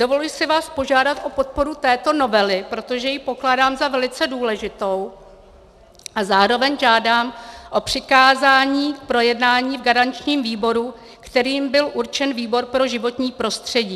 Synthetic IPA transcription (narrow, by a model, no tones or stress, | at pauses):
dovo̞lujsɪvaːspo̞ʒaːdat̪ʔo̞po̞t̪̚po̞ɾut̪ɛːt̪o̞no̞vɛlɪpɾot̪o̞ʒɛjɪpo̞klaːdaːmzavɛlɪt͡sɛduːlɛʒɪt̪o̞w | ʔazaːɾo̞vɛɲʒaːdaːmʔo̞pr̝̥ɪkaːzaːɲiːk̚pɾo̞jɛdnaːɲiːvɡaɾant͡ʃɲiːmviːbo̞ɾu | kt̪ɛɾiːmbɪlʔuɾt͡ʃɛnviːbo̞ɾpɾo̞ʒɪvo̞t̪ɲiːpɾo̞st̪r̝̥ɛɟiː